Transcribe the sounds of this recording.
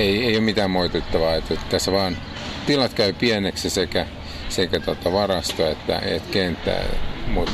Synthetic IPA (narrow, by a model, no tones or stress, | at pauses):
eieijomit̪æːmmoit̪et̪ːɑʋɑːet̪et̪t̪æsːʋɑːn | t̪ilɑt̪kæypiɛneksisekæ | sekæt̪ot̪ɑʋɑrɑst̪oet̪ːæ̰ḛt̪kent̪ːæ̰ːmut̪